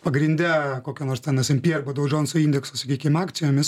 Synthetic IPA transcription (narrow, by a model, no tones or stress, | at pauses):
pɐɡɾʲɪnʲd̪ʲɛkoːkʲɛnoːɾst̪ʲɛnɐsʲɪmʲpʲiɛɾbod̪ɐʊd͡ʒʲoːnsʊinʲd̪ʲɛksʊsɐkʲiːkʲɪmɑːkt̪sʲɪjoːmʲɪs